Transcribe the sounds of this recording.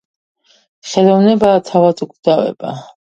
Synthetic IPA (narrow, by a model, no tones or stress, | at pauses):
χɛlˠɔvnɛbaːt̪ʰavat̪ʼukd̪avɛ̰ba